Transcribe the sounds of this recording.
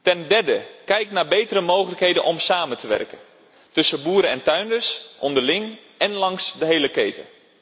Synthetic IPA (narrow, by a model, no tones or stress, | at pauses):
tɛndɛrdəkɛjknaːɹbejtəɾəmowχələkɦejdənʔɔmsaːməntʰəʋɛ̰rkən | tɵsəbuːɾəɛntœɥndəɹsʔɔndəlɪŋʔɛnlɑŋsdəɦejləkejtʰə̰